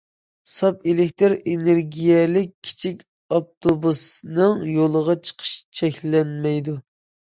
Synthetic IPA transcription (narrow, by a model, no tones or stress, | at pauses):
sɑpelɪkʲt̪ʰɨɾeneɾɡʲijɛlɪkʲʰːi̥t͡ʃʰikʲ | ɑk̚t̪ʰobusnɨŋjolˠəʁɑt͡ʃʰə̥qʰə̥ʃt͡ʃʰɛkʲlɛnmɛjd̪u